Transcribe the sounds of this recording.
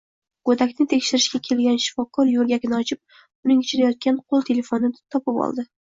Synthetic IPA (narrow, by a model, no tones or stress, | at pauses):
ɡ̥ot̪akʲnɪt̪ʰe̞kʲʃɪɾɪʃkʲakʲʰe̞lɡʲanʃɪ̥fɒkʰɒɾjolˠɡʲakʲɪnɪɒt͡ʃʰɪp̚ | ʊnɪŋʊt͡ʃʰɪɾajɒt̪̚kʲanqʰolˠt̪ʰe̞le̞fo̞nɪt̪ʰɒpɪpɒ̰lˠd̪ɪ